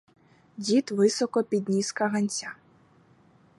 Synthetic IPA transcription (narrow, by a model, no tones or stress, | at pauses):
d͡zʲit̪vɨsɔkɔpʲid̪nʲiskɐɣɐnʲsʲa